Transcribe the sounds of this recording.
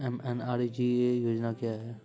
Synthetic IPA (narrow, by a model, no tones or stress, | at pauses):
ɛmɛnaːɾid͡ʒiejoːd͡ʒnakjaːɦɛː